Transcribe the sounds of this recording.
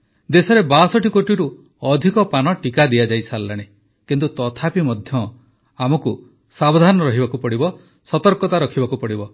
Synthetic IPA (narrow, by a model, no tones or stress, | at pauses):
d̪esɔɾebasɔʈikoʈiɾu | ɔd̪ʱikɔpanɔʈikad̪ijad͡ʒajsalːaɽ̃e | kint̪ut̪ɔt̪ʰapimɔd̪ʱjɔ | amɔku | sabɔd̪ʱanɔɾɔɦibakupɔɽibɔ | sɔt̪ɔɾkɔt̪aɾɔkʰibakupɔɽibɔ